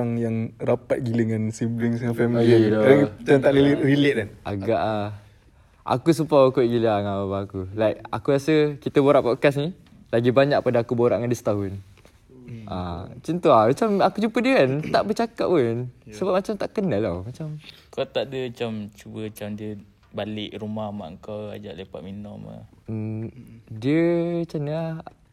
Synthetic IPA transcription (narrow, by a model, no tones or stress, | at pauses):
aŋjaŋrapat̪̚ɡiləŋansibliŋs̬afɛmilikaɾaŋt͡ʃant̪aʔɾilrilɪʔanʔa̰ɡaʔa | ʔa̰kus̬upawəkuiʔɡiləaŋababaakulajk̚a̰kujasəkit̪əboɾaʔpɔʔkas̬ni | laɡibaɲak̚padaakuboɾa̰ʔŋandəst̪aɦun | ʔa̰t͡ʃənt̪oamat͡ʃamakud͡ʒumpədiəkant̪aʔbət͡ʃakaʔ̚punsəbap̚mat͡ʃamt̪aʔkənalawmat͡ʃam | kawt̪aʔdəat͡ʃamt͡ʃubəat͡ʃamdiə | balɪʔɾumahma̰ʔəŋkawa̰d͡ʒaʔlepaʔ̪̚minɔma̰ | əmdiət͡ʃamnia